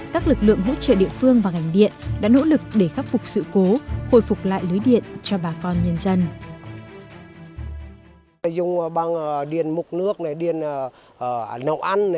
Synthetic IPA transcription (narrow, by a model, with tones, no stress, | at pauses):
kaː˦˥k̚lɨ˨˩k̚lɨ̰˧˨əŋɦo̰˧˥t͡ɕə̰ː˧˨ɗḭ˧˨əfɨ˧əŋvaː˨˩ŋa˨˩jŋ̟ɗḭ˧˨ənɗa̰ː˧˥no̰˧˥lɨ˨˩k̚ɗe˧˩xaː˦˥p̚fʊ˨˩k͡p̚sɨ̰˧˨ko˨˦xo̰˧˩jfʊ˨˩k͡p̚la̰ː˧˨jlɨ˨˦jɗḭ˧˨ənt͡ɕɔ˧ɓaː˨˩kɔ˧nɲə˧nzə˧n˧˨ | zʊ˧˨ŋ͡mɓaː˧ŋ˨ɗi˧˩ənmʊ˨˩k͡p̚nɨ˦˥ək̚na˨˩jɗi˧˩ənː˨˩˨ | nə˧˩wʔa˧n˨